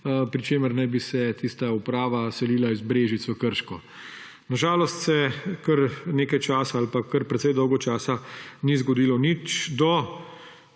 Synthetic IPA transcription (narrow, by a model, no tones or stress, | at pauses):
pɾit͡ʃeːməɾnɛjbisɛt̪iːst̪aupɾaːʋasɛliːlaizbɾeːʒit̪sɔkəɾʃkɔ | naʒaːlɔst̪sɛkəɾneːkajt͡ʃaːsaalpakːəɾpɾɛt̪sɛjd̪ɔwɡɔt͡ʃaːsanizɡɔd̪iːlɔnit͡ʃd̪ɔ